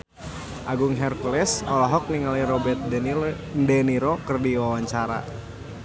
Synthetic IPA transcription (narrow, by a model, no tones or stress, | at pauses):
ʔaɡʊŋɦɛrkulɛsɔlaɦɔk̚niŋaliɾɔbɛt̪̚ | dɛniɾɔkɨrdiwawaɲt͡ʃaɾa̰